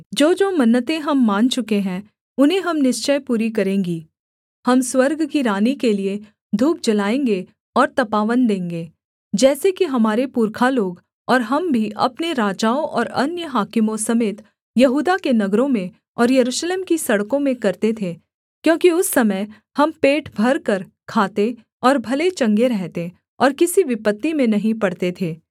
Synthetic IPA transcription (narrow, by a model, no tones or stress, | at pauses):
d͡ʒoːd͡ʒoːmɐnːət̪ẽɦɐmːãːnt͡ʃʊkeɦɛ̃ː | ʊnɦẽɦɐmnɪʃt͡ʃəjpuːɾikɐɾẽːŋɡiː | hɐmswɐɾɡkiɾaːnikelie | d̪ʱuːp̚d͡ʒɐlaːẽːŋɡe | ɔːɾt̪ɐpaːʋənd̪ẽːŋɡeː | d͡ʒɛːsekiɦɐmaːɾepuːɾkʰaloːɡ | ɔːɾɦɐmbʱiʔɐ̰pneɾaːd͡ʒaːõʔɔːɾɐnjəɦaːkɪmõsɐmeːt̪ | jɐɦuːd̪akenɐɡɾõmẽ | ɔːɾjɐɾuːʃleːmkisɐɽkõmẽkɐɾt̪et̪ʰeː | kjõːkiʊsːɐməj | hɐmpeːʈbʱɐɾkɐɾ | kʰaːt̪e | ɔːɾbʱɐlet͡ʃɐ̃ŋɡeɾɛɦt̪e | ɔːɾkɪsiʋɪpət̪ːimẽnɐɦĩpɐɽt̪et̪ʰeː